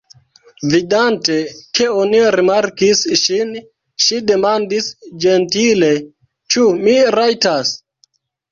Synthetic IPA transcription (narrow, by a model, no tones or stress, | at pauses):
vidante̞kʰe̞oniɾimaɾkisʃin | ʃide̞mandisd͡ʒe̞ntile̞ | t͡ʃumiɾajtas